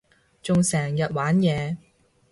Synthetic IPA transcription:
t͡sʊ˨ŋsɛː˨˩ŋjɐ˨t̚waː˨˥njɛː˨˧

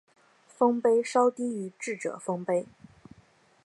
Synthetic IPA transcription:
fɤ˥ŋpe˥ɪʂɑ˥ʊt̪i˥y˧˥ʈ͡ʂɻ̩˥˩ʈ͡ʂɤ̰˨˩fɤ˥ŋpe˥ɪ

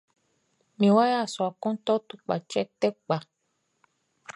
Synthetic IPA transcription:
mĩ˧˨wa˦ja˦˨sɔ˨a˨kɔ̃˦n˦t̪ɔ˦tu˨k͡pa˨t͡ʃɛ˦tɛ˦k͡pa˨

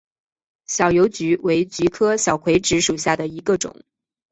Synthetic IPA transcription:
ɕjɑ˨˩ʊjo˧˥ʊt͡ɕy˧˥we˧˥ɪt͡ɕy˧˥kʰɤ˥ɕjɑ˨˩ʊkʰwe˧˥ɪʈ͡ʂɻ̩˧˥ʂu˨˩ɕja˥˩d̪ə˩i˧˥ɡə˧ʈ͡ʂʊ̰˨˩˦ŋ

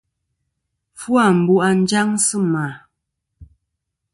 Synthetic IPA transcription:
fwa˦˨m̩˨bu˦ʔa˨n̩˦d͡ʒa˦ŋsə˦ma˨

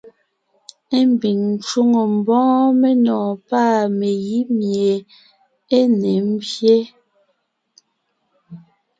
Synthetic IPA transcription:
e˦m˨bi˨ŋn˨t͡ʃu˦ŋo˨m̩˨bɔ̃ː˦me˦nɔ̃ː˨paː˦me˨ji˦mje˨ | e˦ne˨˦m̩˦bje˦

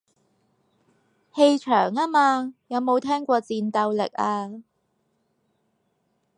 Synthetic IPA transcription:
he˧jt͡ʃʰœː˨˩ŋaː˥maː˧jɐ˨˧wmo˨˧wt̪ʰɛː˥ŋkʷɔː˧t͡siː˧nt̪ɐ˧wlɪ̰˨k̚aː˧

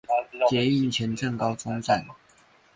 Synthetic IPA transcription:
t͡ɕjɛ˨˥i˥˩nt͡ɕʰjɛ˨˦nʈ͡ʂɤ˥˨ŋkɑ˥ʊt͡sʊ˥ŋt͡sa˥˨˩n

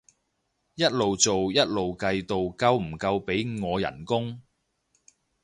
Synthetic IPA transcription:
jɐ˥t̚lo˨wt͡so˨wjɐ˥t̚lo˨wkɐ˧jt̪o˨wkɐ˧wm̩˨˩kɐ˧wpe˨˥jŋɔː˨˧jɐ̰˨˩nkʊ˥ŋ

